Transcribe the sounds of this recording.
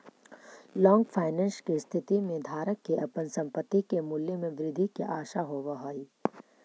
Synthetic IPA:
lɔ̃ːŋɡpʰaːɪnɛ̃ːnskist̪ʰɪt̪imẽd̪ʱaːɾəkːeʔɐpənsɐ̃mpət̪ːikemʊljəmẽʋɾɪd̪ʱikeʔaːʃaɦoːʋaɦaːiː

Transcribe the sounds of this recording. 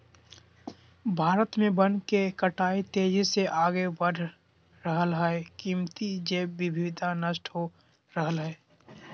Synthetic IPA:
bʱaːɾət̪mẽbənkekəʈaːit̪eːd͡ʒseʔaːɡebəɖʱ | ɾəɦəlɦɛekiːmt̪id͡ʒeːɪbʱɪd̪ʱanəʃʈɦo | ɾəɦəlɦɛː

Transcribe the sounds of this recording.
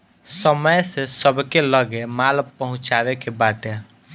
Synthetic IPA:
səməjsesəbkeləɡemalpəɦʊ̃t͡ʃabekebaʈe

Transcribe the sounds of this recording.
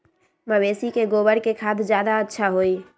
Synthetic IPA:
məʋeːsikeɡoːbəɽkekʰaːt̪ʰd͡ʒjaːd̪aətːʃʰaɦoːiː

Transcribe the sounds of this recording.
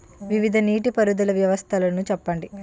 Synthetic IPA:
ʋiʋid̪ʱɐniːʈipɐɾud̪ulɐʋjɐʋɐst̪ʰɐlɐnut͡ʃɛpːɐɳɖi

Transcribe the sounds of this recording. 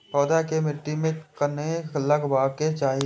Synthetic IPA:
sɔːd̪akemɪʈːimẽkəneləɡbaːɡket͡ʃaːɦi

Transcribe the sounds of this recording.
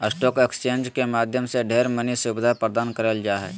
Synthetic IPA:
əsʈɔːkekst͡ʃẽːnd͡ʒkemaːd̪ʱjəmseɖʱeːɾmənisʊbɪd̪ʱapɾəd̪aːnkəɾəld͡ʒaːɦɛ̰ː

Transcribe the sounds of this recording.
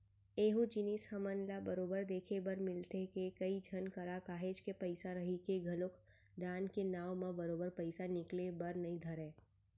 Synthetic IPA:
eːɦud͡ʒɪnishɐmənlabɐɾoːbəɾd̪eːkʰebɐɾmɪlt̪ekekɐid͡ʒʱɐnkɐɾakaːɦeːd͡ʒkepɐɪsaɾɐɦikeɡʱɐlok | d̪aːnkenaːwmãbɐɾoːbəɾpɐɪsanɪklebɐɾnɐɦĩd̪ʱɐɾẽː

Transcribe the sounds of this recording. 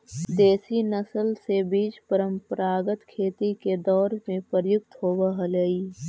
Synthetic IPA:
d̪eːsinəsəlsebiːd͡ʒpəɾə̃mpəɾaːɡət̪kʰeːt̪iked̪ɔːɾmẽpəɾjʊk̚t̪ɦoːbəɦələiː

